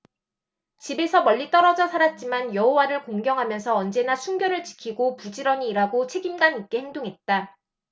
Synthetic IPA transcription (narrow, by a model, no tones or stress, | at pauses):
t͡ɕibe̞sʰʌmʌʎːit͈ʌɾʌd͡ʑʌsʰaɾat̚t͡ɕ͈imanjʌhowaɾɯɭkoŋɡjʌŋɦamjʌnsʰʌːnd͡ʑe̞nasʰuŋɡjʌɾɯɭt͡ɕi̥kʰiɡopud͡ʑiɾʌniːɾaɡot͡ɕʰe̞ɡimɡanik͈e̞he̞ŋdoŋɦe̞t̚t͈a